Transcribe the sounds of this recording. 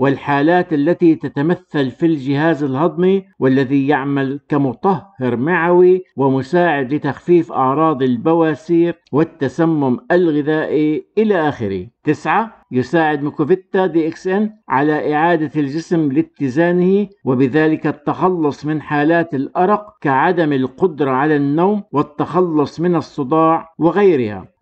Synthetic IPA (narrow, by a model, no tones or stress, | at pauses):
wɪlħaːlaːt̪ʔalːat̪it̪at̪amaθːalfild͡ʒɪhaːzalhɑd̪ˤmiwɪlːaðijaʕmalkamʊt̪ˤɑhːɪɾmaʕawiwɪmʊsaːʕɪd̪lɪt̪axfiːfʔɑ̰ʕɾˤɑːd̪ˤɪlbawaːsiːɾwɪt̪ːasamːʊmʔalɣɪðaːʔiʔɪlaʔaːxɪ̰ɾḭt̪ɪsʕajʊsaːʕɪd̪mɪkʊvɪt̪ːad̪iːʔɪksʔɪnʕa̰laʔɪʕaːd̪ald͡ʒɪsmlɪt̪ːɪzaːnɪhiwɪbɪðaːlɪkat̪ːɑxɑlːʊsˤmɪnħaːlaːt̪alʔɑɾˤɑqkaʕad̪amalqʊd̪ɾˤɑʕalanːowːmwɪt̪ːɑxɑlːʊsˤmɪnɑsˤːɨd̪ˤɑːʕwɪɣajɾɪha̰